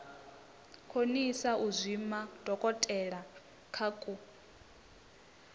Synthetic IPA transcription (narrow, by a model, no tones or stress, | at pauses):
kʰonisaʔuzʷimad̥ʱɔkʼɔtʼɛɺa | kʰakʼu